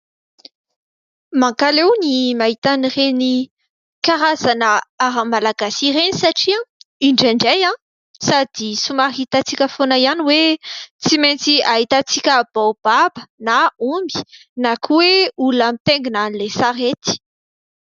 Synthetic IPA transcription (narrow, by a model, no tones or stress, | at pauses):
maŋkalewnimaɦit̪anireni | kaɾazanəaɾamalaɡasiɾenisaʈ͡ʂiãiɳɖ͡ʐiɳɖ͡ʐejã | sad̪isumaɦit̪at͡sikʲəfonəianiwet͡simejnt͡siaɦit̪at͡sikʲəb̥awb̥abənaumbi̥nakuweulamit̪eŋɡinanilesaɾet̪i̥